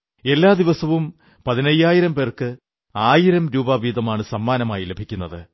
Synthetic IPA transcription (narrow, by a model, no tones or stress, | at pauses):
e̞lːaːd̪iʋɐsɐʋum | pɐðinɐjːaːjiɾɐmpe̞ːrkɨ | aːjiɾɐmɾuːbaːʋiːd̪ɐmaːɳɨsɐmːaːnɐmaːjile̞bʱikʲːunːɐðɨ